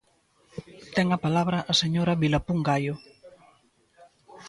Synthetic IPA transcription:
t̪ɛŋɐpalaβɾɐʔːseɲoɾɐβilapuŋɡajʊ

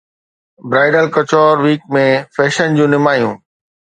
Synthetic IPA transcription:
bɾaːɪɖəlkɐt͡ɕɔːɾʋiːk̚mẽfɛːʃənd͡ʑũːnɪmaːjũː

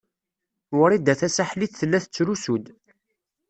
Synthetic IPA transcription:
wʊɾid̪æθæsaħliθθəlːæθət͡sːɾusud̪

